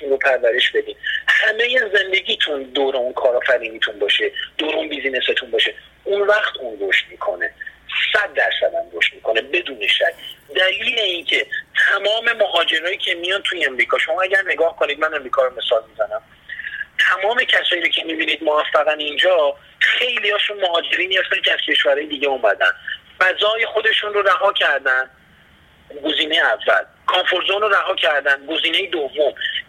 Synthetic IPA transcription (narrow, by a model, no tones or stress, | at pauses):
t̪ʰunɾopʰæɾvæɾe̞ʃb̥e̞d̪iːd̪hæme̞je̞ze̞nd̪e̞ɡiːt̪ʰund̪oːɾeunkʰɒːɾɒfæɾiːnit̪ʰunbɒːʃe̞d̪̥oːɾeunbizineset̪ʰunbɒːʃe̞ | unvæχt̪ʰunɾoʃt̪̚miːkʰone̞sæd̪̚ːæɾsæd̪æmɾoʃt̪miːkʰo̞ne̞be̞d̪uːne̞ʃæcd̪æliːle̞iːncʰe̞t̪ʰæmɒːme̞moɦɒːd͡ʒe̞ɾɒːjiːcʲʰe̞mijɒnt̪ʰujeemɾiːkʰɒːʃo̞mɒːæɟæɾne̞ɡɒːhko̞nid̪̚mæne̞mɾikʰɒːɾome̞sɒːlmizænæm | t̪ʰæmɒːme̞cʰæsɒːjiːɾocʰe̞mibiːniːd̪̚movæfːæɣænind͡ʒɒː | xe̞jliɒːʃunmoɦɒːd͡ʒe̞ɾemijɒft̪elcʰʲæz̥cʰe̞ʃvæɾɒːjed̪iːɟeumæd̪æ̰nd̪ | bæzɒːjexo̞d̪e̞ʃunroɾæɦɒːcʰæɾd̪ænd̪ | ɡo̞ziːne̞jeævːæ̰l | kʰɒnfoɾzonɾoɾæɦɒːcʰæɾd̪ænɡo̞ziːne̞jed̪ovːom